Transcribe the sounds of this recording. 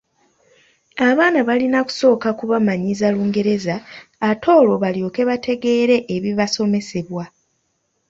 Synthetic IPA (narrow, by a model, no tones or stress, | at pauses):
aβaːnaβalinaku̥so̞ːkakuβamaɲizaluːŋɡe̞ɾe̞zaːtʰo̞ːlo̞βaljo̞ke̞βatʰe̞ɡe̞ːɾe̞ʔːβiβaso̞me̞se̞βwa